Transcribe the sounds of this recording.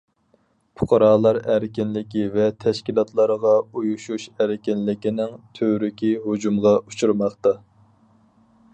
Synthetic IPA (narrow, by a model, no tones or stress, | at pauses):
pʰʊqʰɑɾɑːlˠɑɾæɾɪkʲɪnlɪkʲivɛt̪ʰɛʃkʲilˠɑt̪ʰlˠɑɾəʁɑujuʃuʃæɾɪkʲɪnlɪkʲinɪŋt̪ʰøɾykʲiɦod͡ʒumʁɑut͡ʃʰuɾmɑχt̪ɑ